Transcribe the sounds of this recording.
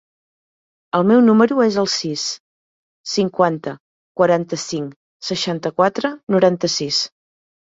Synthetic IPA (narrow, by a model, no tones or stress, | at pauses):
əlˠmɛwnuməɾuezəlˠsisː | iŋkwant̪ə | kwəɾant̪əsiŋ | səʃant̪əkwat̪ɾənuɾant̪əsis